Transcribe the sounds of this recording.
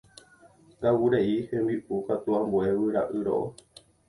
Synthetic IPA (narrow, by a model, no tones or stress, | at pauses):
ɡawuɾeihẽmbiukat̪uãmbuewɨɾaʔɨɾo̰ʔo̰